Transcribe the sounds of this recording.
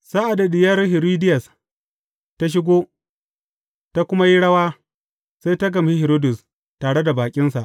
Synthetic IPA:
sa˦ʔa˨da˨dɪ˨jɐ˦rhɪ˨ɾiː˦dɪ˦jɐ˨s | ta˦ʃ̬ɪ˦ɡʷoː˦ | ta˦kʷʊ˦ma˦ji˦ɽɐ˦waː˦ | sa˦jta˦ɡɐ˨mhi˦hɛ˨ɾoː˦dʊ˨s | taː˨ɽe˦da˨baː˨kʲʼɪ˦nsa˨ʔ

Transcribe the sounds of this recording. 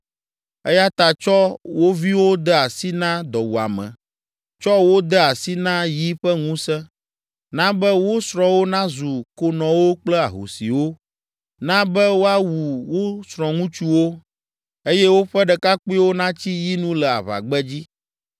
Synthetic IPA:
ɛ˦ja˦t̪a˨t͡ʃɔ˦wo˦vi˦wo˦d̪ɛ˦a˨si˦nã˦d̪ɔ˨wu˨a̰˨mɛ̰̃˨ | t͡ʃɔ˦wo˦d̪ɛ˦a˨si˦nã˦ji˦ɸɛ˦ŋũ˦sɛ̃˦ | nã˦bɛ˦wo˦sɾɔ̃˨wo˦nã˦zu˨ko˦nɔ̃˨wo˦k͡plɛ˦a̰˨ɦo̰˨si˨wo˦ | nã˦bɛ˦wo˦a˦wu˨wo˦sɾɔ̃˨ŋũ˦t͡ʃu˦wo˦ | e˦jɛ˦wo˦ɸɛ˦ɖɛ˨ka˦k͡pi˦wo˦nã˦t͡ɕi˦ji˦nũ˦lɛ˨a̰˨βa̰˨ɡ͡bɛ˦d͡ʑi˦

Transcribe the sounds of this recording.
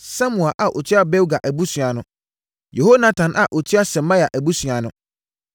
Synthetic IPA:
sã˦mũ˨a˨ʔa˨ʔo˨tʰi˦a˦bɛ˦wɡa˨ʔæ˨bu˦sɥa˨nʊ̃˨ | je˨ho˦nã˦tʰã˨nʔa˨ʔɔ˨tʰi˦a˦sɛ˨mã˦ja˨ʔæ˨bu˦sɥa˨nʊ̃˨

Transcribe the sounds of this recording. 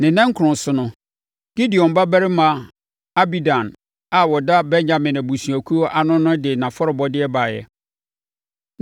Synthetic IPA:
nɪ̃˨nã˦ŋ˦kʰʊ˨ʊ̃˨sʊ˨nʊ̃˦ | ɡ̥i˦di˨ɔ̃˨m˨ba˦bæ˦ɾɪ˦mã˨ | a˦bi˦dã˨n | a˨wɔ˨da˦bɛ˦ɲɲã˨mɪ̃˨nã˨bu˨su˨æ˨kʰu˦o˦ʔa˨nʊ̃˦nʊ̃˦dɪ˨nã˨fɔ˦ɾɪ˨bɔ˦dɪ˦ɛ˦ba˨jɛ̰˨

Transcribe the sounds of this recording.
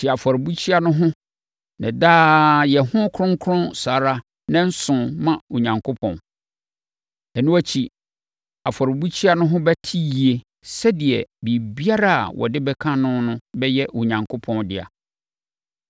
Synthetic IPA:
t͡ɕʰi˨a˨fɔ˨ɾbu˦t͡ɕʰi˦a˦nʊ̃˦ɦʊ̃˦ | nɪ̰̃˨daː˦jɛ˨hʊ̃˦kʰʊ˦ɾʊ̃˦ŋ˦kʰɾʊ̃˦nsaː˨ɾa˦ | nã˦n̩˦sʊ̃˨mã˦˨u˨ɲã˨ŋkʰo˦pʰɔ̰̃˨n | ɛ˨nʊ̃˦æ˦t͡ɕʰi˨ | a˨fɔ˨ɾbu˦t͡ɕʰi˦a˦˨nʊ̃˦ɦʊ̃˦bɛ˦tʰi˦ji˨e˨ | sɛ˦dɪ˨ɛ˨bi˨bi˦a˦ɾa˦a̰˨wʔɔ̰˨dɪ˦bɛ˦kʰã˦nʊ̃˦nʊ̃˦bɛ˦jɛ˦u˨ɲã˨ŋkʰʊ˦pʰɔ̃˦ndɪ˦˨a̰˨

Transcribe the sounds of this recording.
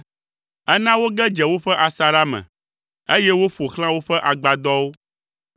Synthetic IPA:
ɛ˦nã˦wo˦ɡɛ˦d͡ʒɛ˨wo˦ɸɛ˦ʔa˨sa˨ɾa˦mɛ̰̃˨ | e˦jɛ˦wo˦ɸo˨xl̃ã˦wo˦ɸɛ˦ʔa˨ɡ͡ba˨d̪ɔ˦wo˦

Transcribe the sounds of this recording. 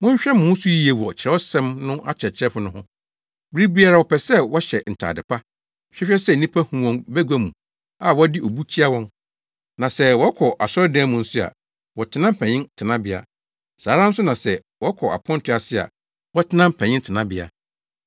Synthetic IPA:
mʊ̃˦ɲ˦ɕᶣɛ˦mʊ̃˨˦n˦sʊ˦ji˦e˨wɔ˨t͡ɕʰɪ˨ɛ˦ɔ˦sɛ̃˦mnʊ̃˦ʔa˦t͡ɕʰɛ˨t͡ɕʰɛ˦fʊ˨˦nʊ̃˦hʊ̃˦ | bɪ˦ɾi˦bi˦a˨ɾa˨wɔ˨pʰɛ˨sɛ˦wɔ˦ɕɛ˨n̩˨tʰa̰ː˨dɪ˨pʰa˦ | ɕᶣɛ˦ɕᶣɛ˦sɛ˦˨nĩ˦pʰa˦hũ˨wɔ̃˨nbæ˦ɡʷa˦mũ˨ | a˨wɔ˦dɪ˦ʔo˨bu˦t͡ɕʰi˦a˦wɔ̃˦n | nã˨sɛ˦wɔ˦kʰɔ˨ʔa˨sɔ˦dɛ̃˦mʊ̃˨n̩˦sʊ˦a̰˨ | wɔ˨tʰɪ˦nã˦m̩˦˨pʰɛ̃˨ɲɪ̃˦ntʰɪ˨nã˦bɪ˨a̰˨ | saː˨˦ɾã˦n̩˦sʊ˦nã˨sɛ˨ | wɔ˦kʰɔ˨ʔa̰˨pʰɔ̃˦n˦tʰʊ˦a˨sɪ˦a̰˨ | wɔ˦tʰɪ˦nã˦m̩˦˨pʰɛ̃˨ɲɪ̃˦ntʰɪ˨nã˦bɪ˨a̰˨

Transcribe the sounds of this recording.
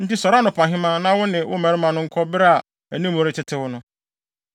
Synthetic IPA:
n̩˦ti˦sɔ˨ɾa˦nʊ̃˨pʰã˨ɦɪ̃˦mã˦nã˦wʊ˦nɪ̃˨wʊ̰˦mæ̃˨ɾɪ˦mã˨nʊ̃˦ŋ̩˦kʰɔ˦bɪ˦ɾa˨ | æ˨nĩ˦m˦õ˨ɾɪ˦tʰɪ˦tʰɪ˦wʊ˦nʊ̃˦

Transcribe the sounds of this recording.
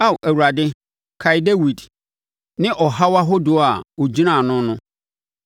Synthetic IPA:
a˦˨wʔæ˨wu˨ɾa˨dɪ˦ | kʰa˨jɪ˨de˦wi˨d | nɪ̃˦ʔɔ˨ɦa˦wa˦ɦo˦dʊ˨˦a˨ɔ˨d͡ʑi˦nã˨nʊ̃˦nʊ̃˦

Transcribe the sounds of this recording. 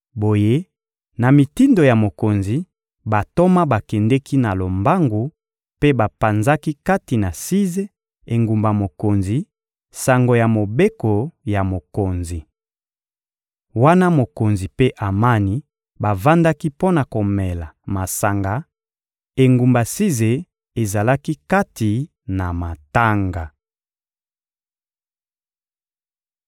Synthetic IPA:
bo˨je˦ | na˨mi˨ti˦ndo˨ja˨mo˨ko˨nzi˨ | ba˨to˦ma˦ba˨kɛ˨ndɛ˦ki˦na˨lo˨mba˦ŋɡu˨˦ | pe˦ba˨pa˨nza˦ki˦ka˦ti˨na˨si˦ze˦ | e˨ŋɡu˨mba˨mo˨ko˨nzi˨ | sa˨ŋɡo˨ja˨mo˨be˦ko˨ja˨mo˨ko˨nzi˨ | wa˦na˦mo˨ko˨nzi˨pe˦ʔa˨ma˦ni˨ | ba˨va˦nda˦ki˦po˦na˨ko˨mɛ˨la˨ma˨sa˨ŋɡa˨˦ | e˨ŋɡu˨mba˨si˦ze˨ | e˨za˨la˦ki˦ka˦ti˨ | na˨ma˨ta˦ŋɡa˨

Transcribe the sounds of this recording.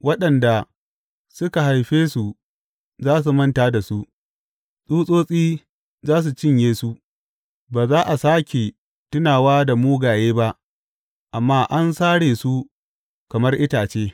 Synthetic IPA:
wɐ˦ɗɐ˨nda˨ | sʊ˦ka˨ɦa˨jɸeː˦su˨ | zaː˦s̬u˨mɐ˦ntaː˦da˨su˦ʔ | sʼuː˦sʼoː˦sʼiː˦ | zaː˦s̬u˨t͡ʃɪ˦ɲjeː˦su˦ | baː˨zaː˦ʔa˨saː˦kʲe˨ | tʊ˦naː˨waː˦da˨muː˦ɡaː˨jeː˦ba˦ʔ | ʔa˨mːaː˦ʔa˦nsaː˦ɽeː˨su˦ | kɐ˨mɐ˦rʔɪ˦taː˨t͡ʃeː˦

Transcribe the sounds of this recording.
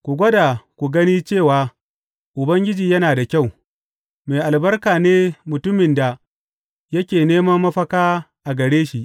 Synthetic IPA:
kʷu˨ɡʷɐ˦da˨kʷu˨ɡɐ˦niː˦t͡ʃeː˦˨waː˨ | ʔʊ˨bɐ˦ŋɡʲɪ˦d͡ʒiː˨jɐ˦naː˨da˨kʲa˦˨w | me˨jʔa˨lbɐ˦rkaː˨neː˦mʊ˨tʊ˦mɪ˨nda˨ | jɐ˦kʲeː˨neː˦mɐ˦mːɐ˦ɸɐ˦kaː˦ | ʔa˨ɡɐ˨ɽeː˦ʃi˦ʔ

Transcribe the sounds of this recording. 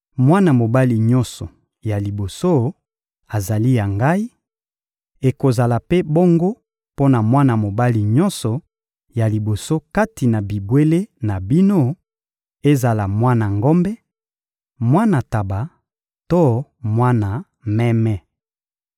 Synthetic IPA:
mwa˦na˨mo˨ba˦li˨ɲɔ̃˦nsɔ˨ | ja˨li˨bo˨so˦ | a˨za˨li˦ja˨ŋɡa˦i˦ | e˨ko˨za˨la˨pe˦bo˦ŋɡo˦ | po˦na˨mwa˦na˨mo˨ba˦li˨ɲɔ˦nsɔ˨ | ja˨li˨bo˨so˦ka˦ti˨na˨bi˨bwe˦le˦na˨bi˦no˦ | e˦za˨la˨mwa˦na˨ŋɡɔ˦mbɛ˦ | mwa˦na˨ta˨ba˨ | to˦mwa˦na˨ | mɛ˦mɛ˦

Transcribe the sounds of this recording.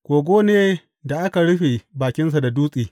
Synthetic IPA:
kʷoː˨ɡʷoː˦neː˦ | da˨ʔa˦ka˨ɽʊ˦ɸi˨baː˨kʲɪ˦ns̬a˨da˨duː˦sʼiː˨

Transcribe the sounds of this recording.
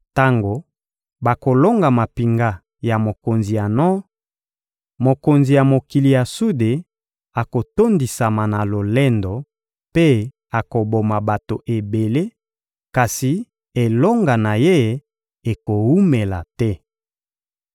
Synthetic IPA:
ta˦ŋɡo˨ | ba˨ko˨lo˦ŋɡa˨ma˨pi˨ŋɡa˦ | ja˨mo˨ko˨nzi˨ja˨nɔ˦ | mo˨ko˨nzi˨ja˨mo˨ki˨li˨ja˨su˦de˨ | a˨ko˨to˦ndi˨sa˨ma˨na˨lo˨lɛ˦ndɔ˨ | pe˦ | a˨ko˨bo˨ma˨ba˨to˨ʔe˨be˨le˦ | ka˨si˨ | e˨lo˦ŋɡa˨na˨je˦˨˦ | e˨ko˨wu˦me˨la̰˨tɛ˦

